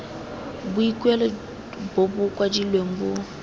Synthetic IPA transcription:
buikwɛlɔ | bobukwad͡ʒilwembu

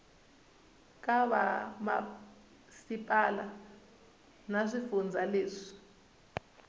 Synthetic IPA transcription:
kʼaβa̰ma̰ | sipʼala | nazʷifund͡zʱaleːzʷi̥

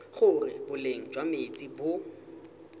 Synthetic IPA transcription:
χʊrɪbʊleŋ̩d͡ʒwamet͡sʼibʊ

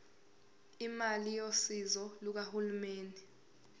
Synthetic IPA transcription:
imalijosizɔluk̬ahulumeːndʱɛ

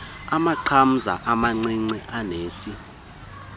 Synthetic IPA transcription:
amaǃʰam̩za̰ʔamaŋ͡ǀiŋ͡ǀiʔaneːsi

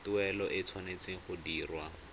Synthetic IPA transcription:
tʊɛlɔʔɪt͡sʰwanet͡sɪŋ̩χʊdiːrwa

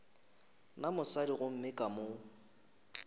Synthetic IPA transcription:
namʊsadiɣʊm̩mɪkʼamo

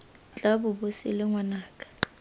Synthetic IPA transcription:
t͡ɬʼabʊbʊsɪ̰lɛŋwanaːkʼḁ

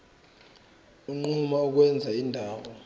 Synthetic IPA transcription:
uŋ͡ǃumauk̬wɛnd͡zʱaindʱaːwɔ

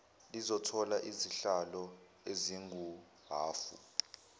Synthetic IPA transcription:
lizɔtʰɔlaʔiziɬalɔ | eziŋɡu | ɦaːfṵ

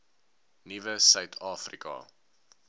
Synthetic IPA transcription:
nivəsœɥtʰɑːfrḭkɑ̰

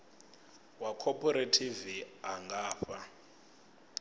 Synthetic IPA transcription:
wakʰɔpʼɔɾetʰiviaŋɡaːɸa

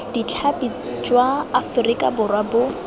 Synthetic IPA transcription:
dit͡ɬʰapʼi | t͡ʃʼwaːfʊrikʼabʊrwabʊ

